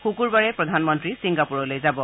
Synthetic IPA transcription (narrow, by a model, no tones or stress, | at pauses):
xukuɹbaɹɛpɹɔdʱanmɔntɹisiŋɡapuɹɔlojzabɔ